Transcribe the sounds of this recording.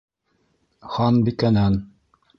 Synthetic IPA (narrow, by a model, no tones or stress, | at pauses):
χɑnbikænæn